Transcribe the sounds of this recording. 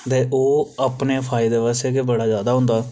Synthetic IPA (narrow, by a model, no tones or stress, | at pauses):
t̪eːʔoːəpneːpʰaːɪd̪eːʋaːseːkebəɽaːzjaːd̪aːɦʊ̃nd̪aː